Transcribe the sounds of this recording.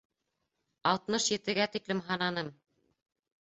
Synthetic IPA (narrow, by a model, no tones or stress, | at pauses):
ɑlˠt̪mɤʃjɘ̆t̪ɘ̆ɡæt̪iklɘmɦɑnɑnɤm